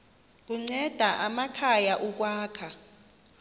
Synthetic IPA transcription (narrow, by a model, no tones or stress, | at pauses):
k̬uŋ͡ǀɛd̥ʱaʔamakʰajaʔuk̬waːkʰa